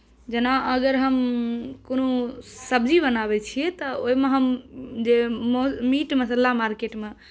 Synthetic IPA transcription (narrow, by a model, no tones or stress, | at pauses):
d͡ʒenaʔəɡəɾɦəmkonosəbd͡ʒibənaβɛt͡ʃʰijɛt̪ɔoimeɦəmd͡ʒemomiʈməsəlːamaɾkeʈme